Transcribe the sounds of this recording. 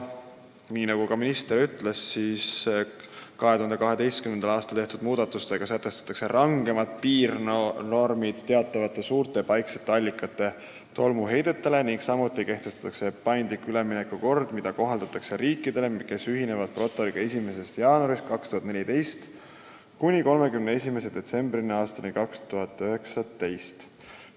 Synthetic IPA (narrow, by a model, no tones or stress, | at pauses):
niːnɑɡukɑminist̪e̞ɾyt̪le̞sːis | kɑɦe̞t̪uhɑnd̪e̞kɑɦe̞d̪e̞jst̪kymend̪̥ɑlɑːst̪ɑlt̪eht̪ud̪muːd̪̥ɑt̪ːˑust̪e̞ɡ̥ɑsæt̪ːˑe̞st̪ɑ̥t̪ːˑɑkse̞ɾʔɑŋɡ̥e̞mɑt̪̚piːrno̞rmid̪̥t̪ːe̞ɑt̪ːˑɑvɑt̪ːˑe̞suːrt̪ˑe̞pɑjkset̪ːeɑlʲːikːˑɑt̪ːˑe̞ | t̪o̞lmuɦe̞jd̪̥e̞t̪ːˑe̞le̞niŋksɑmut̪ːˑike̞ht̪e̞st̪ɑ̥t̪ːˑɑkse̞pɑjnd̪likːˑylemine̞kːˑuko̞rd̪̥mid̪̥ɑko̞ɦɑld̪̥ɑt̪ːˑɑkse̞ɾiːkˑːid̪̥e̞le̞ke̞syɦine̞vɑd̪̥̚pro̞t̪ːˑo̞ɾiɡ̥ɑe̞sʲime̞se̞st̪jɑːnuɑɾist̪̚kɑkst̪uhɑt̪ne̞lʲit̪e̞jst̪ | kunʲiko̞lme̞kymnee̞s̬ʲime̞se̞d̪̥e̞t̪se̞mbrineɑːst̪ɑnikɑkst̪uɦɑt̪ːˑøɦe̞ksɑt̪e̞jst̪